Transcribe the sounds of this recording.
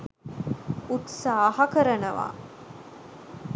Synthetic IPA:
ut̪saːhɐkəɾənəʋa̰ː

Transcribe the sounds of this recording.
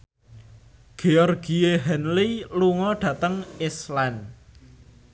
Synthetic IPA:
ɡ̥eɔrɡieɦɛnliluŋɔɖ̥ä̤t̪əŋislɛn

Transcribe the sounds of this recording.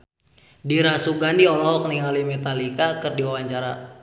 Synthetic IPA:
diɾasuɡandiɔlɔɦɔk̚niŋalimɛt̪alikakərdiwawaɲt͡ʃaɾa

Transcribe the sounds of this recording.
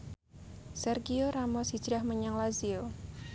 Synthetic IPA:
sɛrɡioɾamɔsid͡ʒɾahməɲaŋlazio

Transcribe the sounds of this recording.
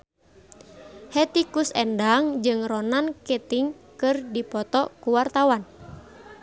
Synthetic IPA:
hɛt̪ikusɛndaŋd͡ʒɨŋrɔnanket̪iŋkɨrdipɔt̪ɔkuwart̪awan

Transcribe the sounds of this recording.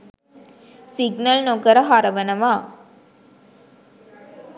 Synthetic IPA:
sɪɡnɐlnoɡɐɾɐɦaɾɐʋɐnɐʋaː

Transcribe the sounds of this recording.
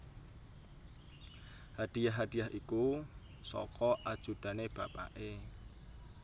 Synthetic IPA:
had̪̥i̤jaɦɦad̥ijaɦʔiku | sɔ̰kɔʔad̥ʒ̥ṳd̪̥a̤neb̥a̤pa̰ʔe

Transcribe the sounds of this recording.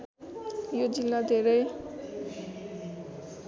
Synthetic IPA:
jod͡zilːad̪ʱeɾʌj

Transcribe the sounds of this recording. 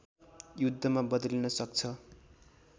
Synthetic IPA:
jud̪ʱːʌmabʌd̪linʌsʌkt͡sʰʌ

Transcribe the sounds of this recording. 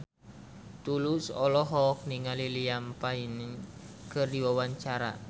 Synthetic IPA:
t̪ulusɔ̰lɔɦɔk̚niŋalilijampain | kʰɨrdiwawaɲt͡ʃaɾa̰

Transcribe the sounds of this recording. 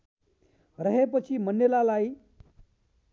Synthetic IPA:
ɾəɦepət͡ɕiːmənːelalai

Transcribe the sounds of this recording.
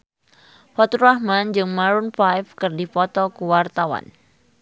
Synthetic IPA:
fɔt̪uɾahmand͡ʒɨŋmaɾunfajfkɨrdipɔt̪ɔkuwart̪awa̰n

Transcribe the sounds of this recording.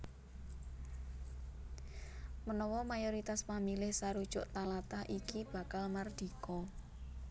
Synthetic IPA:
mənɔwɔmajoɾit̪aspamilɪhsaɾud̥ʒ̥ʊʔt̪alat̪ahʔikib̥a̤kalmard̪̥i̤kɔ

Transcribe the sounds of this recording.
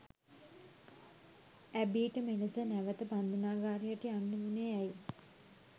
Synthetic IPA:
æbiːʈəmeləsənæʋət̪əpand̪ʱunaːɡaːɾejəʈianːuuneæj

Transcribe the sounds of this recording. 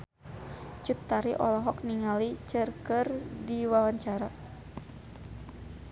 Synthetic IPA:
t͡ʃut̪ːaɾiʔɔlɔɦɔk̚niŋalit͡ʃərkərdiwawaɲt͡ʃaɾa

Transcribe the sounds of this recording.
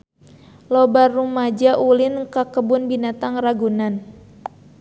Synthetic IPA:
lɔbarːumad͡ʒaʔulinkakəbʊnbinat̪aŋraɡunan

